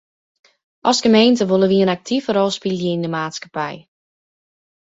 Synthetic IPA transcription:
ʔɔsɡəmeːntəʋolˠəʋiənak̚tʰivəɾɔlˠspilˠjəindəmaːtskḁpɛj

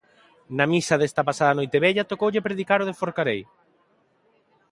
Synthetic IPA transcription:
nɐmisɐðest̪ɐpasaðɐnojt̪eβeʎat̪okowʎepɾeðikaɾoð̞efoɾkaɾej

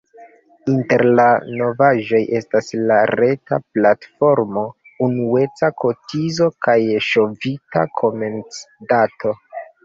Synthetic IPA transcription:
inte̞ɾlano̞vaʒo̞jʔe̞staslaɾe̞ta̰platfo̞ɾmo̞ | unue̞t͡sakʰo̞tizo̞kajʃo̞vita̰kʰo̞me̞nt͡sdatʰo̞

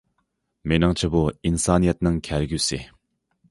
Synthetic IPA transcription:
menaŋt͡ɕʰəpoinsanijat̪̚naŋkʰarɡyse

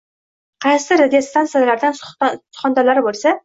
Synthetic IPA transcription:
qʰɑjsɪɾad̪ijost̪ʰansɨjalaɾd̪ansʊ̥χɒnd̪alaɾɪbolˠsa

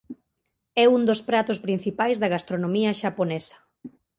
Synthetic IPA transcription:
ɛund̪ospɾat̪ospɾin̟θipajzðɐɣast̪ɾonõmiɐʃaponɛsɐ̥

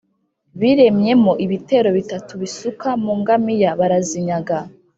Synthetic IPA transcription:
βiɾe̞mɲe̞moʔiβite̞ɾo̞βitatuβisukamuːŋɡamijaβaɾaziɲaɡa

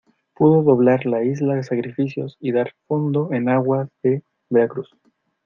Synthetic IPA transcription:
puðoðoβlaɾlaizlaðesakɾifisjo̰siðaɾfo̞nd̪o̞enaɣwaðe | beɾakɾus

